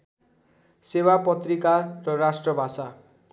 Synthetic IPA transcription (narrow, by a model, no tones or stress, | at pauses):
sewapʌt̪rikarːʌrasʈrʌbʱasa